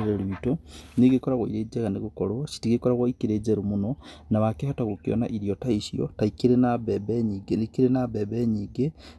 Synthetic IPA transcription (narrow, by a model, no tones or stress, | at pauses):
ɾeɾiitoneɣekɔɾaɣwɔḭɾed͡ʒɛɣaneɣokɔɾosi̥tiɣekɔɾaɣwɔikiɾeːd͡ʒɛɾumonɔnaβakehataɣokeɔ̰na̰ʔiɾiɔtaisiɔ̰taikeɾenabɛbɛɲiːɡenkeɾenabɛβɛɲiːɡe